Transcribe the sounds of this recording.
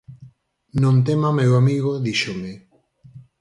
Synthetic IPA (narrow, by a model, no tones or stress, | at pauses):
nõnt̪emamewamiɣoðiʃomɪ